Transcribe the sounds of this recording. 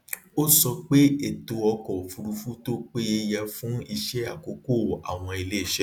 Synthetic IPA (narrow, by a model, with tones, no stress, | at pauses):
o˦sɔ˧k͡pe˦e˦˨to˧ɔ˧kɔ˨fu˧ɾu˧fu˦to˦k͡pe˦e˧˦jɛ˧fũ˦i˧ʃɛ˦a˦˨ko˨˦ko˦˨a̰˨w̃ɔ̃˧e˧le˦e˦˨ʃɛ˦